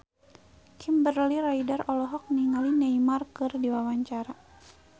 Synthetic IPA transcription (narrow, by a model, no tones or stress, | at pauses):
kʰimbərliɾaidarɔlɔɦɔk̚niŋalinajmarkɨrdiwawaɲt͡ʃaɾa